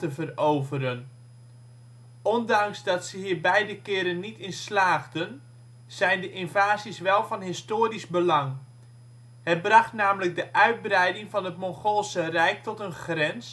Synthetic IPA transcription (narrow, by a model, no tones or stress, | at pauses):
təvərowvəɾən | ɔndɑŋsdɑtsəhiːrbɛjdəkɪːɾənːitɪnslaːɣdən | z̥ɛjndəʔɪnvaːzisʋɛlˠvɑnɦɪstoːrisbəlɑŋ | hət̚brɑχtnaːmləɡ̚dəʔœɥd̚brɛjdɪŋvɑnətmoŋxolˠsərɛjk̚tɔtənxrɛns